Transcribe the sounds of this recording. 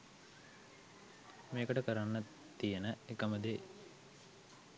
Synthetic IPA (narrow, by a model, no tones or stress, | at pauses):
meːkəʈəkəɾanːə | t̪ːijenəekəməd̪e